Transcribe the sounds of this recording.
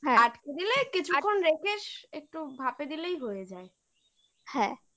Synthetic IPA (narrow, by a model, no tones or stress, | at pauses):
ɦɛ̃aʈked̪ilekit͡ɕʰukʰːonɾekʰeʃek̚ʈubʱaped̪ilejɦojed͡ʑae | hɛ̃